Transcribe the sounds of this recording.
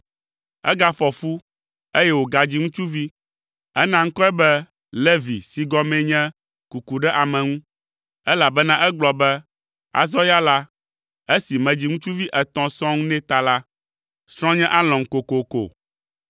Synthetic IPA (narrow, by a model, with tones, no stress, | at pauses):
ɛ̰˦ɡa˦fɔ˨fu˦ | e˦jɛ˦wo˨ɡa˨d͡ʑi˦ŋũ˦t͡ʃu˦vi˦ | ɛ˦nã˦ŋ̩˦kɔ˦ɛ˦bɛ˦ | le˦vḭ˨si˨ɡɔ˦mɛ̃˦ɲɛ̃˦ | ku˨ku˨ɖɛ˦ʔa˨mɛ̃˨ŋũ˦ | ɛ˦la˨bɛ˦nã˦ʔɛ˦ɡ͡blɔ˨bɛ˦ | a̰˨zɔ˦ja˦la˦ | e˦si˨mɛ̃˨d͡ʑi˦ŋũ˦t͡ʃu˦vi˦ʔɛ˨t̪ɔ̃˨sɔ̃˦ŋũ˦nɛ̃˦t̪a˨la˦ | sɾ̃ɔ̃˦ɲɛ̃˦ʔa˦lɔ̃˨ŋ̩˨ko˨ko˨ko̰˨